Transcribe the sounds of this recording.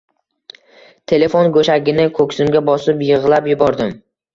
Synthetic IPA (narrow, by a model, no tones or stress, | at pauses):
t̪ʰe̞le̞fonɡɵʃaɡʲɪnɪkʰɵkʲsɪmɡʲabɒsɪpjɨʁlˠapjʊbɒɾd̪ɪm